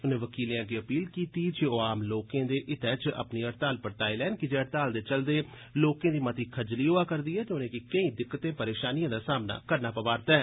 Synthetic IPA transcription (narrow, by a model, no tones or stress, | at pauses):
ʊnẽːʋəkiːljãːɡeːəpiːlkiːt̪iːt͡ʃeoːaːmloːkẽːd̪eːʔɪt̪ɛːt͡ʃə̰pniːəɾt̪aːlpəɾt̪aːilɛːnkɪd͡ʒeːəɾt̪aːld̪eːt͡ʃəld̪eː | loːkẽːd̪iːmət̪iːkʰəd͡ʒliːɦoːaːkəɾd̪iːɦɛːt̪ːnẽːkɪkəĩːd̪ɪkːt̪ẽːpəɾeːʃaːnijãːd̪aːsaːmna̰ːkəɾnaːpəʋaːɾt̪ɛːɛː